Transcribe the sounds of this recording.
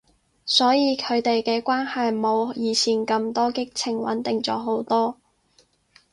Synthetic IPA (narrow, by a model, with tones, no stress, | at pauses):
sɔː˨˥jiː˨˧kʰɵ˨˧ɥt̪e˨jkɛː˧kʷwaː˥nhɐ˨jmo˨˧wjiː˨˧t͡sʰiː˨˩nkɐ˧mt̪ɔː˥kɪ˥k̚t͡sʰɪ˨˩ŋwɐ̰˨˥nt̪ɪ˨ŋt͡sɔː˨˥ɦo˨˥wt̪ɔː˥